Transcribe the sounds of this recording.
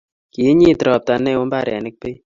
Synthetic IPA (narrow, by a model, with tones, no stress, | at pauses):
ki˨e˦ɲi˦˨tɾɔ˨p̚ta˨nɛ˦˨o˦mba˦˨ɾja˨nɪ˦k̚pe˦